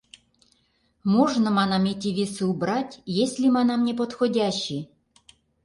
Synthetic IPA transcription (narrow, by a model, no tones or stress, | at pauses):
moʐnə̆mɑnɑmʲetʲivʲesuubɾɑtʲjesʲlʲimɑnɑmnʲep̬ot̪xodʲaɕːi